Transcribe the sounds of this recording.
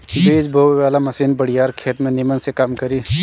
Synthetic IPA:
beːd͡ʒbʱoːwʋaːlamɐsiːnbɐɽ̤ijaːɾkʰeːt̪mẽnimənsekaːmkɐɾiː

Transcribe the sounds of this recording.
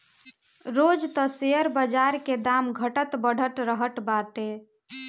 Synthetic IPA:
ɾod͡ʒt̪əseəɾbəd͡ʒaɾked̪amɡʱəʈət̪bəɽ̤ʱəʈ̪ɾəɦəʈ̪bat̪e

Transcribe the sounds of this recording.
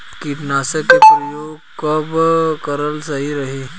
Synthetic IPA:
kiʈnasəkepɾəjoɡ̚ | kəbkəɾəlsaɦiɾəɦi

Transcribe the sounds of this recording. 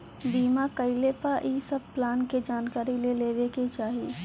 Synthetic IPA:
biːmakəɪlepaʔiːsəb̚plaːnked͡ʒaːnkaːɾileleːʋeket͡ʃaːɦie

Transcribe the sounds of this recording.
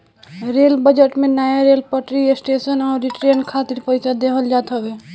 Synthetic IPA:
ɾelbəd͡ʒeʈmenajaɾelpəʈɾiesʈesənaːɾːiʈɾenkʰat̪iɾpəjsad̪ekʰəld͡ʒat̪ɦəbe

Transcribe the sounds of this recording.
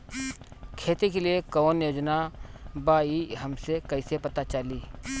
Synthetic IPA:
kʰeːt̪ekeliekɔːnjoːd͡ʒna | baːiɦɐmsekɐɪsepɐt̪at͡ʃəliː

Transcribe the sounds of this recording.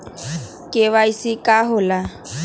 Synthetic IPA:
keʋaisikʼaɦʊla

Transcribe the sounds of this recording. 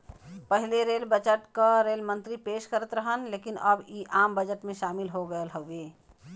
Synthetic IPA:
pəɦileɾelbət͡ʃəʈkaɾelmə̃nt̪ɾipeːʃkəɾət̪ɾəɦənleːkinəbiʔaːmbəd͡ʒəʈmẽʃaːmɪlɦoɡəəlɦəweː

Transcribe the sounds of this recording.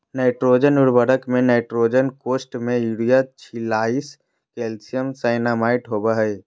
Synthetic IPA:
naɪʈɾoːd͡ʒənʊɽbəɾəkmẽnaːʈɾoːd͡ʒənkoːsʈmẽiɽijat͡ʃʰɪlaːis | kelsijəmsaɪnaːmaːɪʈɦobaɦɛɪ

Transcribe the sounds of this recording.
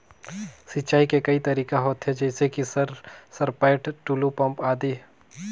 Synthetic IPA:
sit͡ʃaːikekɐit̪ɐɾiːkaɦoːt̪ɦɛd͡ʒɛːsekisɐɾsɐɾpaːʈʈuːlupɐ̃mpaːd̪iː

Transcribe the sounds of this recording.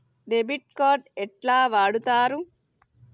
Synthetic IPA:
ɖebiʈ̚koːɾɖɛʈlaːʋaːɽut̪aːɾu

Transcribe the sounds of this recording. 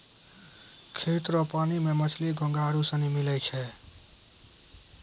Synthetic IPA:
kʰet̪ɾəpanimemət͡ʃʰliɡʱə̃ŋɡaɾusənimilɛt͡ʃʰɛ

